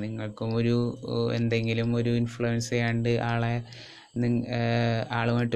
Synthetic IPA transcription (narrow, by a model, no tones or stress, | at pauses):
niŋːɐɭkumo̞ɾuḛnd̪e̞ŋɡilumo̞ɾuinfɭuʋensɐjaːjɳɖɨʔaːɭe | niŋ | aːɭumaːjʈː